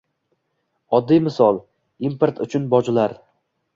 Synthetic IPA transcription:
ɒd̪ːijmɪsɒlˠ | impeɾt̪ʰʊt͡ʃʰʊnbɒd͡ʒɪlaɾ

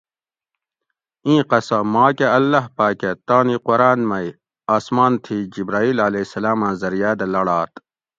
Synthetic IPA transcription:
ĩːqɐsɐmaːkeɐlːɐɦpaːket̪aːniqoɾaːnmɐi | aːsmaːnt̪ʰid͡ʑibɾaːiːlɐlesɐlaːmãzɐɾijaːd̪ɐlɐɽaːt̪

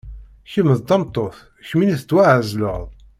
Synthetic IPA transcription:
çəməðt̪ɑmt̪ˤːoθ | çminiθt͡sːwæʕzlə̰ʁðˤ

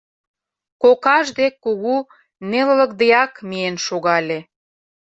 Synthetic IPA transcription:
kokɑʒd̪ekːuɣu | nelə̆lə̆k̚d̪ejɑkmienʃoɣɑlʲe

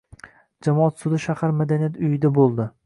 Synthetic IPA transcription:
d͡ʒamɒat̪sʊd̪ɪʃahaɾmad̪anijat̪ʊjɪd̪abolˠd̪ɪ

